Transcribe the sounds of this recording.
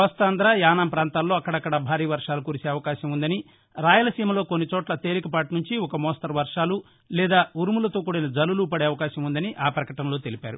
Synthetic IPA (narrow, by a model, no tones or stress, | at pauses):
ʋɐst̪aːnd̪ɾaːjaːnaːmpɾaːnt̪aːlːo̞ːɐkːɐɽɐkːɐɽɐbʱaːɾiːʋɐɾʂaːlukuːɾiseːɐʋɐkaːʃɐmund̪ɐni | ɾaːjɐlɐsiːmɐlo̞ːkonːit͡ʃɔːʈlɐt̪e̞ːɾikɐpaːʈunuɲt͡ʃiɔkɐmɔːst̪ɐɾʋɐɾʂaːlu | lɛːd̪aːuɾmulɐt̪o̞ːkuːɽɐnɐd͡ʒɐlulupɐɽeːɐʋɐkaːʃɐmund̪ɐniʔaːpɾɐkɐʈɐmlo̞ːt̪e̞lipaːɾu